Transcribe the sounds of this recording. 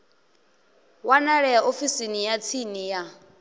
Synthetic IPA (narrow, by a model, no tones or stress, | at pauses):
wanaɺɛjaʔofisinijat͡sʰinija